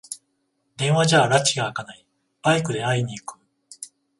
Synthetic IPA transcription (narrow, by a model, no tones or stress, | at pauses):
d̪ẽ̞ɰ̃βaʑaːɾat͡ɕiɡaːkanai | baikɯ̟d̪e̞aiɲ̟iːkɯ̟̥